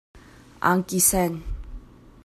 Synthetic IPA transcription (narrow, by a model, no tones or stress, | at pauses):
a̰ŋkʼisɛn